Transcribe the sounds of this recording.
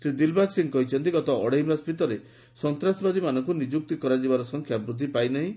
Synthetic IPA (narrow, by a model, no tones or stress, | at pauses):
sɾid̪ilbaksiŋkɔɦit͡ʃʰɔnt̪iɡɔt̪ɔɔɽeɦimbaspit̪ɔɾe | sɔnt̪ɾasbad̪imanɔŋkunid͡ʒuk̚t̪ikɔɾad͡ʒibaɾɔsɔŋkʰjabɾud̪ʱːipajnaɦĩ